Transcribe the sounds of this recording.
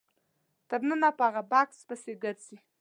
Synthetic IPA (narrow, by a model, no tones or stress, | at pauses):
t̪abnənapəaɣabakspəseɡəɾt͡si